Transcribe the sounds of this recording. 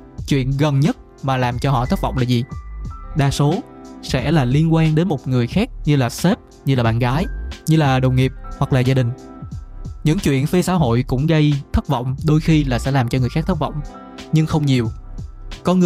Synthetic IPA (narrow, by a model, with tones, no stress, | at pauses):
t͡ɕwḭ˧˨ənɣə˨˩nɲə˦˥t̚ | maː˨˩laː˨˩mt͡ɕɔ˧ɦɔ̰˧˨t̪ə˦˥vɔ̰˧˨wŋ͡mlaː˨˩zi˨˩ɗaː˨˩so˨˦ | sɛ̰˧˥laː˨˩li˧ənkwaː˧nɗe˨˦nmo˨˩t̚ŋɨ˨˩əjxaː˦˥k̚ɲɨ˧laː˨˩se˦˥p̚ | ɲɨ˧laː˨˩ɓa̰ː˧˨nɣaː˨˦jɲɨ˧laː˨˩ɗə˨˩wŋ͡mŋi˨˩əp̚hwa˨˩k̚laː˨˩zaː˧ɗï˨˩ŋ̟ | ɲɨ̰˧˥ŋt͡ɕwḭ˧˨ənfe˧sa̰ː˧˥ɦo̰˧˨jkʊ̰˧˥ŋ͡mɣə˧jt̪ʰə˦˥t̚vɔ̰˧˨wŋ͡mɗo˧jxi˧laː˨˩sɛ̰˧˥laː˨˩mt͡ɕɔ˧ŋ˨˩jxaː˦˥k̚t̪ʰə˦˥k̚v̰wŋ͡m | ɲɨ˧ŋxə˧wŋ͡mɲi˨˩əwkɔ˧nŋɨ˨